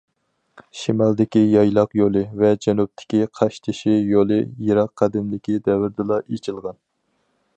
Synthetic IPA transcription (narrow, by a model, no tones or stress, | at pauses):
ʃimɑlˠd̪ɪkʲijɑjlˠɑqjolˠɨvɛd͡ʒɛnup̚t̪ʰɪ̥kʲiqʰɑʃt̪ʰɪʃijolˠɨjiɾɑqʰːæd̪ɪmlɪkʲid̪ɛvɪɾd̪ɨlˠɑʔet͡ʃʰilˠʁɑn